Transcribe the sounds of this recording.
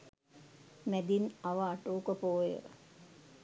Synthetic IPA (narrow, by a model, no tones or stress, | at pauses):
mæd̪inɐʋəaʈoːkəpoːjə̰ɾ